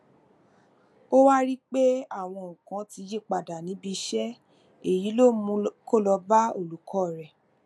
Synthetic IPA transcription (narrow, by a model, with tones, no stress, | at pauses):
o˦wa˦ɾi˦k͡pe˦a˦˨w̃ɔ̃˧˨ũ˨kã˨˦ti˧˦je˦˨k͡pa˨da˨nĩ˨˦bi˧ʃɛ˦ | e˨ji˨˦lo˦˨mũ˧˦ko˦˨lɔ˧ba˦o˦˨lu˨kʰɔ˦˨ɾɛ˨